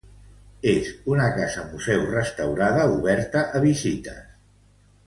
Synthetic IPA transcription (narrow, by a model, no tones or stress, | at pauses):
ezunəkazəmuzɛwrəst̪əwɾaðəuβɛɾt̪əʔəβizit̪ə̰s